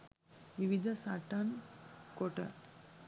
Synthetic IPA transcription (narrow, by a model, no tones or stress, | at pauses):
ʋiʋid̪ʱɐsaʈankoʈə̰